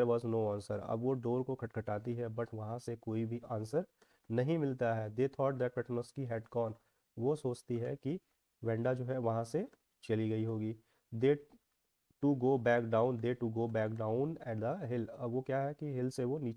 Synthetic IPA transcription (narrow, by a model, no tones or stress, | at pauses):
ɾʋɔːznoːãːnsəɾɐ̰bʋoɖoːɾkokʰɐʈkʰɐʈaːt̪iɦɛbɐʈʋɐɦãsekoːibʱiʔãːnsəɾ | nɐɦĩmɪlt̪aɦɛd̪eːt̪ʰɔːʈ̚d̪ɛːʈ̚pɛʈnəskiɦɛːɖkɔːn | ʋosoːt͡ʃt̪iɦɛki | ʋɛ̃ːɳɖad͡ʒoːɦɛʋɐɦãse | t͡ʃɐliɡɐiɦoːɡiː | d̪eː | ʈuɡoːbɛːkɖaːʊ̃nd̪eːʈuɡoːbɛːk̚ɖaːʊ̃nɛʈd̪əɦɪlɐbʋokjaɦɛkiɦɪlseʋoniː